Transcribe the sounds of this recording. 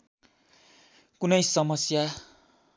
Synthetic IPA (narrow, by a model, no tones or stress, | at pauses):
kunʌjsʌmʌsja